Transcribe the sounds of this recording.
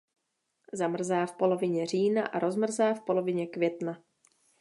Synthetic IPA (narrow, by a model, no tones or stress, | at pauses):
zamr̩zaːfpo̞lovɪɲɛr̝iːnaʔaɾo̞zmr̩zaːfpo̞lo̞vɪɲɛkvjɛt̪na